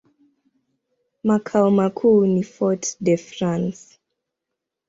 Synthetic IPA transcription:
makʰalmakʰunifɔtdɛfɹãns

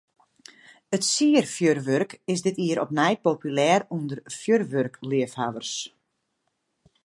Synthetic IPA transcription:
ətsiərfjørʋørkɪsdɪtiːəɾɔpnɛjt̚popylɛːɾundərfjørʋørkliəfhaʋərs

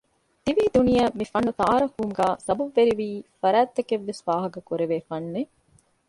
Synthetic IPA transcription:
t̪iʋiːd̪unijɐmifɐnːut̪aːɾɐkuːmɡaːsɐbɐbːeɾiʋiːfɐɾæːt̪ːɐkeʋːesʋaːɦɐkɐkuɾeʋeːfɐnːe

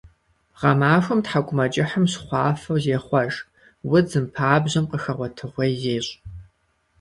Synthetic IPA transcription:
ʁɐmaːʃʷɐmtħaɡʷʼʊmɐt͡ʃʼɪħəmɕχʷɑːfɐwzeːχʷɐʒ | wʊd͡zɨmpʰaːbʑɐmqəxɐʁʷɔtʰɨʁʷejːeːɕʼ

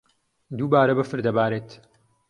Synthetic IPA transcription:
d̪uːbaːɾɐbɐfɨɾd̪ɐbaːɾeːt̪

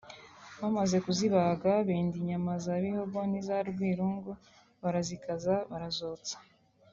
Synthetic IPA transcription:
βamaze̞kuziβaɡaβeːndiɲamazaβihobonizaɾɡwiːɾuŋɡo | βaɾazikazaβaɾazot͡sḁ

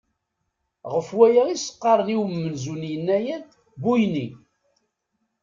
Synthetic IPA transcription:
ʁəfwæjaisə̥qːɑɾˤəniwəmːənzunjənːæjæd̪ | bujni

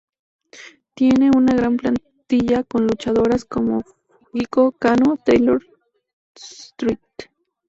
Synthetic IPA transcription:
t̪jeneunaɣɾamplan | t̪iʎakonlut͡ʃaðoɾaskomo | ɡikokanot̪ejloɾ | st̪ɾit̪

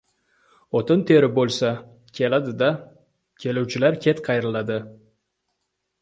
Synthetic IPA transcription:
ot̪ɪnt̪ʰeɾɪbolˠsa | kʲʰe̞lad̪ɪd̪a | kʲʰe̞luwt͡ʃʰɪlaɾkʲʰe̞t̪qʰɑjɾlˠad̪ɪ

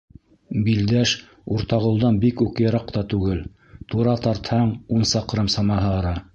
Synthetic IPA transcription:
bild̪æʃ | uɾt̪ɑʁŏlˠd̪ɑnbikʉkjɑɾɑq̚t̪ɑt̪ʉɡɘl | t̪uɾɑt̪ɑɾt̪hɑɴunsɑqɾɤmsɑmɑɦɤɑɾɑ

